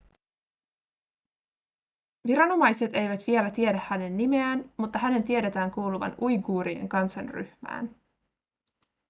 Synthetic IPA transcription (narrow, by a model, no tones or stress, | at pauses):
ʋiɾɑno̞mɑjse̞t̪e̞jʋæt̪ʋie̞læt̪ie̞ɾæhhæne̞nːimeæːnmut̪ːɑɦæne̞nt̪ie̞ɾe̞t̪æːŋkuːluʋɑ̰nujɡuːɾiḛŋkɑnsɑnry̰hmæ̰ːn